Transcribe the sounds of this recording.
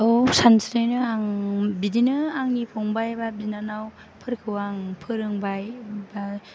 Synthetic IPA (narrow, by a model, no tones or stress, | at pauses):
ɯwsansɾejnɯaŋbidinɯaŋnipʰɔŋbajbabinanaw | pʰɯɾkʰɯwaŋpʰɯɾɯŋbajba